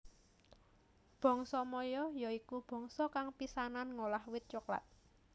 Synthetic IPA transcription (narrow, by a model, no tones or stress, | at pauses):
b̥ɔ̤ŋsɔmɔjɔjɔikub̥ɔ̤ŋsɔkaŋpisananŋolahwɪt̪̚t͡ʃukla̰t̪̚